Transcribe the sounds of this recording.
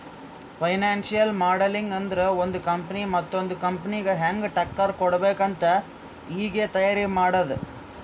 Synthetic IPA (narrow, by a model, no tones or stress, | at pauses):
fɐɪnaːnsɪjɐlmaːɽɐlɪŋɡɛnd̪ɾɐɔnd̪ɯkɐmpɐnimɐt̪ːɔnd̪ɯkɐmpɐnɪɣɐɦaːŋɡʈɐkːɐɾkɔɽɐʋeːkɐnt̪ɐ | iːɡeːt̪ɐjaɾimaːɽɐðɯ